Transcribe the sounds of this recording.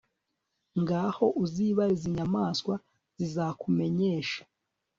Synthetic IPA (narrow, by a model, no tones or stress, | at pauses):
ŋɡaːho̞ʔuziβaɾiziɲamaːskwa | z̥izaːkume̞ɲe̞ːʃḁ